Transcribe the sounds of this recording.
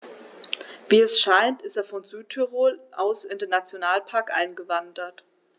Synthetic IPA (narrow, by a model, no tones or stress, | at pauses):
viːɛsʃaɪntɪsteːɐfɔnzyːtʰyʁoːlʔa̰ʊsɪndeːnat͡sjonaːlpʰaɐkʔa̰ɪnɡəvandɐt